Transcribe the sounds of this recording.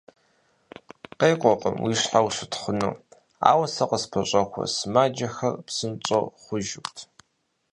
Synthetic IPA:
qejqʷʼɔqʼə̰mwiɕħawɕɪtχəno̰ː | a̰ːwɐsɐqəspʰɐɕʼɐkʷʰɐ̰smaːd͡ʒɐxɐrpsɨnt͡ʃʼo̰χʷʊʒɪkʷtʰ

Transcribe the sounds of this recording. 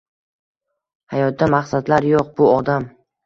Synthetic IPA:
hajɒt̪̚d̪amaχsad̪laɾjoq̚bʊɒd̪am

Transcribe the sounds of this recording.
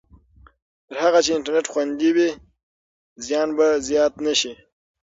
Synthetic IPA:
t̪əɾhaɣat͡ʃeɪnɳʈaɾneʈxwand̪iwi | zjɑnbazjɑt̪naʃi

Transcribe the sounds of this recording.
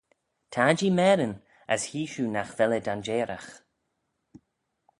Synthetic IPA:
tʰaːd͡ʒiːmɛːɾən | əshiːʃuːnaxvɛlədand͡ʒeːɾax

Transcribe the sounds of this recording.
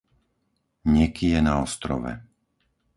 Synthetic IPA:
ɲɛkijɛnaɔst̪ɾɔ̰ʋɛ̰

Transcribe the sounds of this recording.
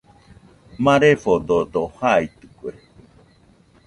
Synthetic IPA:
mãɾefod̪od̪ohait̪ɯkue

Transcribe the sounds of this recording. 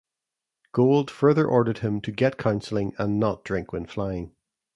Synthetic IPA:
ɡ̥olˠd̥fɜ˞ðə˞ʔɔɹɾə˞d̚ɪ̃mtʰəɡɛʔkʰãʊ̃nsl̩ˠɪ̃ŋə̃nːəʔ̚d̥ɹɪ̃ŋkʰwɪ̃nflˠaɪɪ̃ŋ

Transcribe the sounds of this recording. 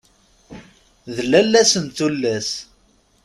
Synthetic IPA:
ðəlːælːæsənt̪ulːæs

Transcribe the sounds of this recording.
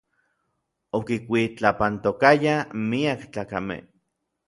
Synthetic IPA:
okikʷit͡ɬapant̪okajamiakt͡ɬaːkamḛh

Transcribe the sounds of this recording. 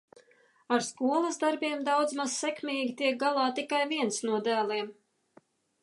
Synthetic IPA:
aɾskuɔlˠɐsd̪aɾbʲiɛmd̪awd̪zmaz̥sɛkmʲiːɡʲit̪iɛk̚ɡalˠɑːt̪ikajviɛnsnuɔd̪æːlˠiɛm

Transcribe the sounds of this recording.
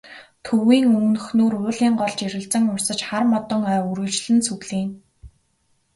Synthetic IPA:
t̪ʰɵwiːŋɵmnɵ̆xnoːɾʊːɮiːŋɢɔɮt͡ɕeɾɘ̆ɮt͡sə̆ŋʊrsə̆t͡ɕχarmɔt̪ɞ̆ŋœːuɾɵ̆t͡ɕɮɘ̆nsuɣɮiːn

